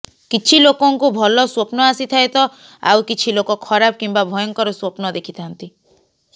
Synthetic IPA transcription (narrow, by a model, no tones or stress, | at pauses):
kit͡ʃʰilokɔŋkubʱɔlɔswopnɔasit̪ʰajt̪ɔ | a̰wkit͡ʃʰilokɔkʰɔɾabɔkimbabʱɔjɔŋkɔɾɔswopnɔd̪ekʰit̪ʰant̪i